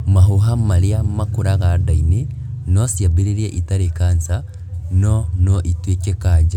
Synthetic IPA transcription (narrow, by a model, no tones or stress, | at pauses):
maɦuɦamaɾiamakuɾaɣadaini | nosjabiɾiɾeʔitaɾekaːnsa | nonoʔitwekekaːd͡ʒa